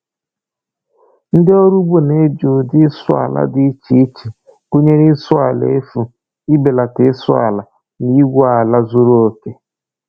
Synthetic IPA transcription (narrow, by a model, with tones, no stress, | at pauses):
n̩˦dɪ˦ɔ˦ɾu˦bo˦ne˦d͡ʒo˨dɪ˦sʊ˦a̰˨la̰˦dɪ˦t͡ʃi˨˦t͡ʃi˨ | ɡu˦ɲe˦ɾɪ˦sʊ˦a˨lḛ˦e˦fu˨ | ɪ˦be˨la˨tɪ˦sʊ˦a̰˨la˨ | ni˦ɡʷo˦a˨la˦zu˦ɾo˦o˨ke˦